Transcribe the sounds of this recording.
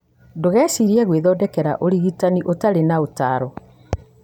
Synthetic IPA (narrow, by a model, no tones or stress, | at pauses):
doɣɛːsiɾiɛɣweðɔdɛkɛɾa̰ʔoɾiɣitaniʔotaɾenaotaɾɔ